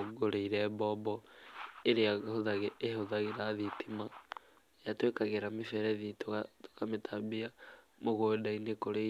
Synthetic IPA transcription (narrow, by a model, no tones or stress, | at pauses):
ɡoɾeiɾɛbɔbɔeɾeahoðaɣeːoðaɣeɾaðitima | jatwekaɣeɾamefɛɾɛðitoato̥kametʰabia | moɣodainekoɾe